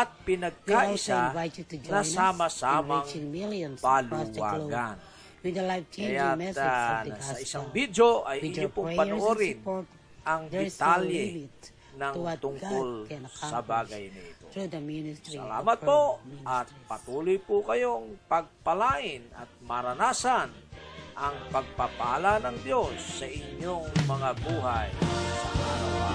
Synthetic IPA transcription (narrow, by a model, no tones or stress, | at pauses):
ʔɐt̪̚pɪnɐɡ̚kaʔɪsaat̪nɐsaːmɐsamɐŋŋmilnpalʊwa̰ːɡan | wɪd̪lajft͡ʃkɐjaɛ | sɐʔɪsaŋbid̪joʔɐjʔɪɲɲopʊŋpɐoʔoɾɪnt̪ | ɐŋd̪ɛt̪aljɛ | nɐt̪ʊŋkolsɐbaːɡɐjnɐʔɪt̪o | sɐla̰ːmɐt̪̚poʔɐt̪̚pɐt̪uːlʊjpʊkɐjo̞ŋpɐɡ̚pɐlaːŋɪnɐ̰t̪̚mɐɾɐnaːsanʔɐŋpɐɡ̚pɐpalanɐŋd̪jo̞sːɐʔɪɲoŋmɐŋabuːɦaj